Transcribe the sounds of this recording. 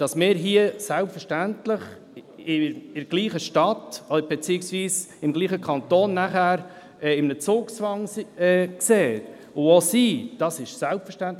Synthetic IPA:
d̥ɑsmɪːɾɦiəsælpfəʃtæntləχ | ɪɪɡ̥liːχəʃtɑtɔd̥əɾbɛt͡siɪksviːsɪmɡliːχəkʰɑnt̪oːnːæχæːɾ | ɛɪmənət͡sʊːkt͡sʋɑŋɛːkseː | ʊosiːd̥ɑsɪʃsælpfəʃtænt̪

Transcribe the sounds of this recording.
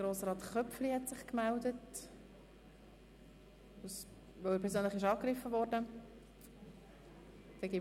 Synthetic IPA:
ɡɾoːsɾɑːtχœpflihɛtsɪχkmældət | us | vœwəpʰɛɾs̬zøːnləχɪʃ̬ɑːkɾɪfəvɔɾdə | d̥ɛɡi

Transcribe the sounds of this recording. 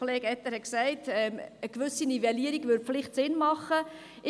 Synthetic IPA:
oleːɡɛtːəɾhɛksɛɪtɛməkvʏsinivɛliəɾiɡvʏɾflɪχtsɪnmɑχə | ʔɪ

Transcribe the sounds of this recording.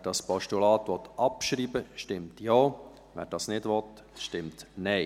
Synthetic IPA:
ɛd̥ɑspɔʃtulɑːt̪ʋɔt̪ʔɑpʃɾiːbəʃtɪmtjɔː | ʋɛ̰ːɾd̥ɑsnɪdʋɔt | ʃtɪmtnɛɪ

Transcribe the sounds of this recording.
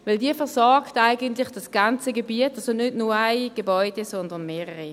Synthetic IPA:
vɪldiəfɛɐsɔɐɡtaɪɡəntlɪχd̥ɑsɡ̥ɑnt͡səɡebiətɑsonʏdnʊaɪɡ̥ebɔʏd̥ɛsɔndɐnmeːʁəʁi

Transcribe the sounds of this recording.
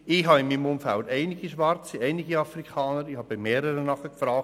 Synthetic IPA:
ɪɦɑɪmːiːmʊmfæld̪ɛɪnɪɡiʃʋɑrt͡siɛɪnɪɡiɑfrikʰɑːnəɾɪhɑbɪmeːɾəɾənɑχəkfɾɑːk

